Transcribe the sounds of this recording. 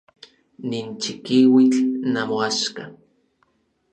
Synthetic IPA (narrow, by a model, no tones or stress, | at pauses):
nint͡ʃikiwit͡ɬnamoaʃka